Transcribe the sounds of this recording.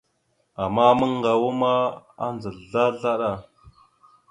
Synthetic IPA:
a˨ma˦mə˦ŋ˦ɡa˨wu˦ma˦a̰˦nd͡zə˨ɮa˦ɮa˦ɗa˦˨

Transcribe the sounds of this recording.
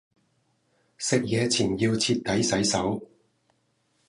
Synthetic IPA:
sɪ˨k̚jɛː˨˧t͡sʰiː˨˩njiː˧wt͡sʰiː˧t̚t̪ɐ˨˥jsɐ˨˥jsɐ˨˥w

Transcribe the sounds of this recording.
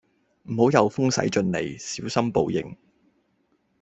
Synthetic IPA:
m̩˨˩ho˨˥wjɐ˨˧wfʊ˥ŋsɐ̰˨˥jt͡ʃɵ˧nle˨˩jsiː˨˥wsɐ˥mpo̰˨˧wjɪ̰˨ŋ

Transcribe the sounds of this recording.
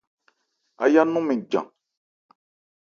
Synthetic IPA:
a̰˨ja˦nũ˦mĩ˨d͡ʒã̰˨

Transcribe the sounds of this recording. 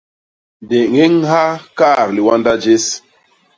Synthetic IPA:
de˨ŋe˦ŋɦa˦ka˦˨ɾli˨wa˦nda˦d͡ʒe˦s

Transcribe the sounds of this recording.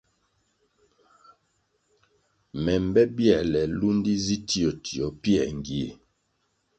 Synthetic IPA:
mɛ˨m˨bɛ˦bjɛ˦˨lɛ˨lu˦n˦di˦zi˦ti˦ɔ˨tʰi˨ɔ˨pjɛ˨ŋ˨ɡi˨e˨

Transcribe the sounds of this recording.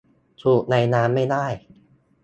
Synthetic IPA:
t̪ʰu˨˩k̚na˧jnaː˦˥mːa˥˩jdaː˥˩j

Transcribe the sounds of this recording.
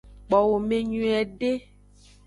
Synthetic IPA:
k͡pɔ˨wo˨mẽ˦ɲũ˦ɛ˨ɖe˦

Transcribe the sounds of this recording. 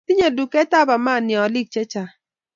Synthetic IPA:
i˦ɲo˨du˨kɛ˦ta˦ba˨ma˦˨nɪ˨ɔ˨li˦k̚t͡ʃe˦t͡ʃa˨

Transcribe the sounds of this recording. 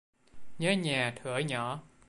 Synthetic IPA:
ɲəː˨˦ɲaː˨˩t̪ʰɨ˧˦əɲɔ˧˩˦

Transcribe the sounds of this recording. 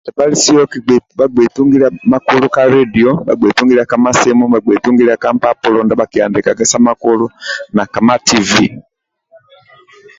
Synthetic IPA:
da˨ba˦li˦si˦ɔ˦ki˨ba˨ɡ͡bɛ˨tu˦ŋɡi˦la˦ma˦ku˦lu˦ka˦ɾɛ˦di˨ɔ˦ɓa̰˨ɡ͡bwɛ˨tu˦ŋɡiɾa˨ka˦ma˦sɛ˦mu˦ba˨ɡ͡bɛ˨tu˦ŋɡi˦la˦ka˦mpa˦pɔ˦lɔ˨nda˨˦ɓa˨ki˨a˨ndi˨ka˨kɛ˦sa˦ma˦ku˦lu˦na˨ka˨ma˦ti˦vi˦˨

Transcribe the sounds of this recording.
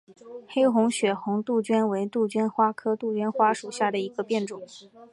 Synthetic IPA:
xe˥ɪxʊ˧˥ŋɕɥɛ˨˩xʊ˧˥ŋt̪u˥˩t͡ɕɥɛ˥nwe˧˥ɪt̪u˥˩t͡ɕɥɛ˥nxwa˥kʰɤ˥t̪u˥˩t͡ɕɥɛ˥nxwa˥ʂu˨˩ɕja˥˩d̪ə˩i˧˥ɡə˧pjɛ˥˩nʈ͡ʂʊ˨˩˦ŋ

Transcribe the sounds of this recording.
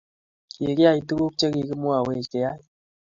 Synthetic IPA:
ki˨kɪ˦a˦i˨tu˦ku˦k̚t͡ʃe˦ki˨ki˦mwa˨we˦˨t͡ʃke˨ja˦

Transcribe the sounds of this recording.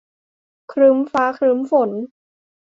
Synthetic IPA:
kʰɾɯː˦˥mfaː˦˥kʰɾɯ˦˥mfo˨˩˦n

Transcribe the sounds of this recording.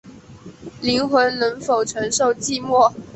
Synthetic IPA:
li˧˥ŋxwə˧˥nnə˧˥ŋfo˨˩ʊʈ͡ʂʰɤ˧˥ŋʂo˥˧ʊt͡ɕi˥˧mwɔ˥˩

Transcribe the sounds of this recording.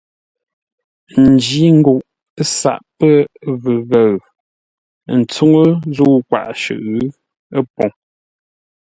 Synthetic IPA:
n̩˨d͡ʒi˨˦ŋ̩˦ɡu˨ʔ | sa̰˨ʔpə˦˨və˨ɣə˨ɰ | n̩˨t͡su˦ŋə˦zu˦kwa̰˨ʔʃʉ̰˨ʔ | ə˦pɔ˨ŋ

